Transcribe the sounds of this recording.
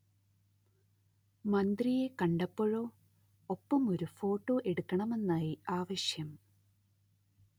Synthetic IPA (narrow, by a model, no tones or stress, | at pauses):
mɐnd̪rije̞kɐɳɖɐpːoɻo̞ː | opːɐmo̞ɾufo̞ːʈːo̞ːʔe̞ɽukːɐɳɐme̞nːaːjiaːʋɐɕjɐm